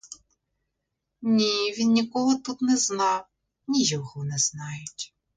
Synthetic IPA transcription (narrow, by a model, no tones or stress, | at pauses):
nʲiʋʲinnʲikɔɦɔt̪ut̪nɛznɑw | nʲijɔɦɔnɛz̥nɑjʊtʲ